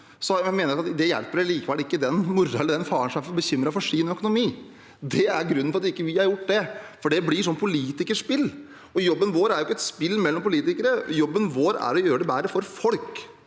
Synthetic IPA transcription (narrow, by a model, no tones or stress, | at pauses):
sɔmeːnəɾʊɑt̪d̪ɛjæ̰lpːəɾæliːkəʋɛlɪkːəd̪ɛnmʊɾːɑɛlːəɖ̪ɛnfɑːɾɳsɔmæɾfɔɾbəçʏmɾɑfɔʂiːnœkʊnʊmiː | d̪ɛæɾɡɾʉnːəfɔɾɑt̪ɪkːəʋɪhɑɾjʊʈːd̪ɛfɔɖɛblɪʂɔnːpʰʊliːt̪ɪkəʂpɪlː | ɔjɔbːənʋoːɾæɾjʊɪkːəɛt̪spɪlːmɛlːɔmpʊliːt̪ɪkəɾəjɔbːənʋoːɾæ̰ɾɔjøːɾəɖɛbæːɾəfɔɾfɔlk